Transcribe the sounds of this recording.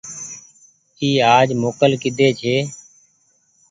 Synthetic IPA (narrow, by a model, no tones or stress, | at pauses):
t̪iːaːd͡ʒmoːkəlkɪd̪ʱeːt͡ʃʰeː